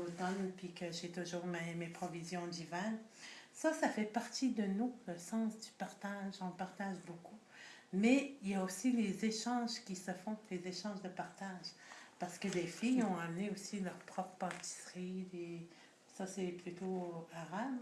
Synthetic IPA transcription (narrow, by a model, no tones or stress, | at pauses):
ot̪ɔnpɥikəʒet̪uʒuːʁmemepχɔvizjɔ̃d̪ivɛnsasafɛpaʁt̪id̪ənuləsɑ̃sd̪ypaʁt̪aʒɔ̃paʁt̪aʒbokʰu | mɛiljaosilezeʃɑ̃ʒkʲisəfɔ̃lezeʃɑ̃ʒd̪əpaʁt̪aʒpaʁsə̥kəlefijɔ̃amneosilœʁpχɔpχə̥pɑ̃t̪i̥sʁid̪e | sasɛplyt̪oaʁab